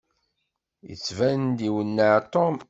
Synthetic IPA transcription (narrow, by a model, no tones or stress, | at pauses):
jə̰t͡sːvænnd̪iwənːəʕt̪om